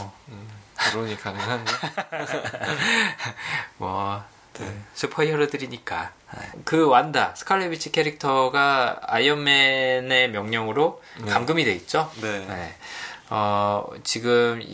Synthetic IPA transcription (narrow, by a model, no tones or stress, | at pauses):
aɾoɲikanɯŋɦa | mwʌ | sʰɯpʰʌiɦʌɾʌdɯɾiɲik͈a̰ | nḛkɯwandasʰɯ̥kʰaɭːebit͡ɕʰi̥kʰeɾik̚tʰʌɡaajʌmːe̞ne̞mjʌŋɲʌŋɯɾo | kamɡɯmidwe̞it̚t͡ɕ͈onene̞ʌt͡ɕiɡɯm